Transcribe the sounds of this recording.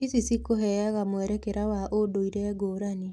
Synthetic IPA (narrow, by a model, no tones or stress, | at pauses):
isisikoɦɛjaɣamwɛɾɛkɛɾawaʔodoiɾɛːɡoːɾane